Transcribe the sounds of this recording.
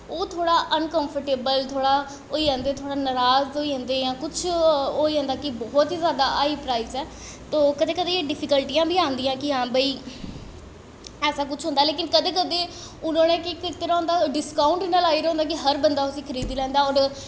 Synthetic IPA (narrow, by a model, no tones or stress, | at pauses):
oːt̪ʰoːɽaːʔənkəmpʰəɾʈeːbəlt̪ʰoːɽaː | oːiːɛ̃ːnd̪eːt̪ʰoːɽaːnəɾaːzoːiːɦɛ̃ːnd̪eːjãːkʊt͡ʃʰoːiːɦɛ̃ːnd̪aːkɪbɔːt̪ɦiːzjaːd̪aːaːiːpɾaːizɛː | t̪oːkəd̪eːkəd̪eːeːɖɪpʰɪkəlʈijãːbʱiːãːnd̪ijãːkɪɦãːbəiː | ɛːsaːkʊt͡ʃʰɦõnd̪aːleːkɪnkəd̪eːkəd̪eː | ʊnõːnẽːkɪkɪt̪əɾaːɦʊ̃nd̪aːɖɪskaːʊɳʈinaːlaːiːɾɦõːnd̪aːk̬ɪɦəɾbənd̪aːʊsĩːkʰəɾiːd̪iːlɛ̃ːnd̪aːɔːɾ